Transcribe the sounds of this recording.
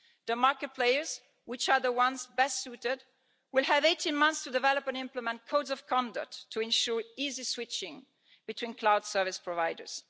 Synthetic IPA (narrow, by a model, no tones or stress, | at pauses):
ðəmaɹkət̚pʰleɪə˞z | wɪt͡ʃa˞ðəwʌ̃nsbɛstsutɪd | wɪlˠəveɪtʰĩnmʌ̃nθstudɨvɛlɔpɛ̃nɪ̃mpləmɛ̃nkʰoʊdzɔv̥kʰɔ̃ndə̰k̚tʰːuɛ̃nʃuɹiziswɪt͡ʃɪ̃ŋ | b̥ɨtʰwĩnkʰlaʊd̥sɜ˞vɪspʰɹɔvaɪdə̰˞z̥